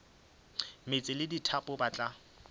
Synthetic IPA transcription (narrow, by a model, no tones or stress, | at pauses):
met͡sʼɪlɪditʰapʼʊbat͡ɬʼa